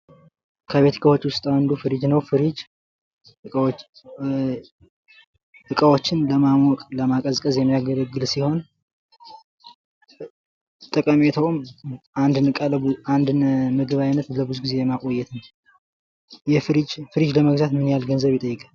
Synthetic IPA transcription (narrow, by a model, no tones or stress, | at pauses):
kʰəβe̞t̪ʰi̥kʰawo̞t͡ʃːwʊst̪ʼawand̪ufɨɾid͡ʒnəwfɨɾid͡ʒ | ɨ | ɨkʼəwo̞t͡ʃːɪnləmamwɔkʼləmakʼəzkʼəzjɛmːijaɡələɡːɨlsiho̞n | t̪ʼəkʼəmet̪ʰəwmand̪nɨkʼaland̪ɨnmɨɡɨβajnət̪ləbuzuɡize̞jɛmːakʼo̞jːɛt̪nəw | jɛfɾid͡ʒfɨɾid͡ʒləməɡzat̪mɨnjalɡənzəβɨt̪ʼəjːɨkʼal